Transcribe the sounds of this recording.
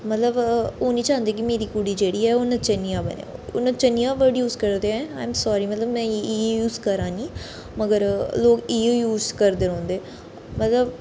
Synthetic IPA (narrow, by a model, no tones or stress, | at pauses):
mət̪ləboːnĩːt͡ʃãːɦənd̪eːk̬ɪmeːɾiːkuɽiːd͡ʒeːɽiːɛːoːnə̃t͡ʃənijãːbə̰nḛ̃ːʊnə̃t͡ʃənijãːʋəɖjuːzkəɾd̪eɛ̃ːaːjmsaːɾiːmət̪ləbmɛ̃ːiːjuːzkəɾãːniː | məɡəɾloːkiːejuːzkəɾd̪eːɾɔ̃ːnd̪eː | mət̪ləb